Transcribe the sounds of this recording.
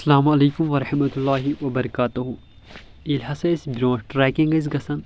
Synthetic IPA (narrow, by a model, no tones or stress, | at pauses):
ɐɐsɐlaːmɐleːkʊmʋɐɾɐħmɐt̪ulːaːɦiwɐbɐɾɐkaːt̪uɦu | ilɦɐsɐsbɾõːʈɾɛːkĩŋɡɐs̬ɡɐsɐn